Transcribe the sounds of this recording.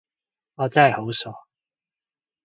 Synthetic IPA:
ɔː˨˧t͡sa˥˨jho˨˥wsɔː˨˥

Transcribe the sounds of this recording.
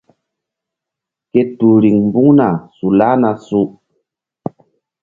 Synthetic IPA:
ke˦tu˨ɾi˨ŋm˦bu˦ŋna˨su˨la˦na˨su˦

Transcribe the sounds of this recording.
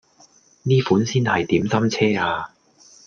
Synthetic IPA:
niː˥fuː˨˥nsiː˥nhɐ˨jt̪iː˨˥msɐ˥mt͡sʰɛː˥aː˧

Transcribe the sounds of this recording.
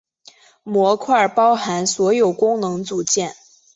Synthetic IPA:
mwɔ˧˥kʰwa˥˩pɑ˥ʊxa˧˥nswɔ˧˥jo˨˩ʊkʊ˥ŋnɤ˧˥ŋt͡su˨˩t͡ɕjɛ˥˩n

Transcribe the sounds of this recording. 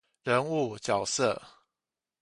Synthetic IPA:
ɻə˧˦nu˥˩t͡ɕjɑ˨˩ʊsə̰˥˨

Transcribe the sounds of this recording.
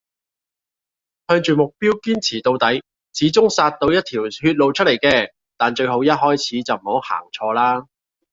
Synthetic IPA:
hœː˧ŋt͡ʃyː˨mʊ˨k̚piː˥wkiː˥nt͡sʰiː˨˩t̪o˧wt̪ɐ˨˥j | t͡sʰiː˨˥t͡sʊ˥ŋsaː˧t̪̚o˧wjɐ˥t̚t̪ʰiː˨˩whyː˧t̚lo˨wt͡ʃʰɵ˥le˨˩jkɛː˧ | t̪aː˨nt͡ʃɵ˧ɥho˨˥wjɐ˥t̚hɔː˥jt͡sʰiː˨˥t͡sɐ˨wm̩˨˩ho˨˥ha̰ː˨˩ŋt͡ʃʰɔː˧laː˥

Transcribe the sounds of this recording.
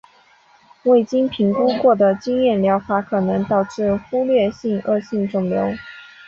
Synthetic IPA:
we˥˩ɪt͡ɕi˥npʰi˧˥ŋku˥kwɔ˥˩d̪ə˩t͡ɕi˥ŋjɛ˥˩nljɑ˧˥ʊfa˧˥kʰɤ˨˩nɤ˧˥ŋt̪ɑ˨˩ʊʈ͡ʂɻ̩˥˩xu˥lɥɛ˥˧ɕi˥˧ŋɤ˥˧ɕi˥˧ŋʈ͡ʂʊ˨˩ŋljo˧˥˦ʊ

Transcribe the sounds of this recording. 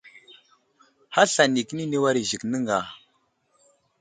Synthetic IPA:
ha˦ɬa˨ni˨kə˦ni˦ni˦wa˦ɾi˨ʒi˨knə˦ŋɡa˨

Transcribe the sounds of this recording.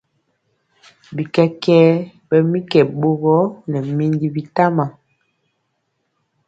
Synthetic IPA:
bi˨kɛ˦kɛː˦ | bɛ˨mi˦kɛ˨ɓo˦ɡɔ˦nɛ˨mi˦ndi˦bi˨ta˦ma˨

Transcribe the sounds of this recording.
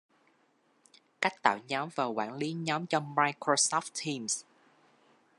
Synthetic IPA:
ka˦˥jk̚t̪a̰ː˧˨wɲɔ˨˦mvaː˨˩wkwa̰ː˧˩˨nli˨˦ɲɔ˨˦mt͡ɕɔ˧maː˧jkɹo˧sɔ˦˥ft̪t̪ʰi˧ms

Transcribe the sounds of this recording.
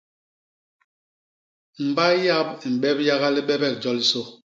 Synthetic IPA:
m̩˨ba˦ja˦bi˨m̩˨ɓɛ˦bja˦ɣa˦li˦ɓɛ˦bɛ˦˨k̚d͡ʒɔ˦li˦so˦˨

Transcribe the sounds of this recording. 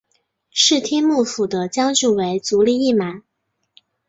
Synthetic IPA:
ʂɻ̩˥˩t̪ʰjɛ˥nmu˥˩fu˨˩d̪ə˦t͡ɕjɑ˥ŋʈ͡ʂu˥˩we˧˥ɪt͡su˧˥li˥˩i˥˩ma˨˩˦n

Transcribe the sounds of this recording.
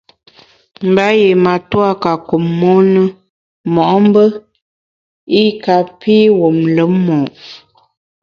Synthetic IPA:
m̩˨ba˦je˨ma˨twa˦ka˨ko˨mːɔ˦nə˦ | mɔ˨ʔɔ˦m˦bə˦ | i˦ka˨pi˦wo˨mlə˨˦mːɔ˨

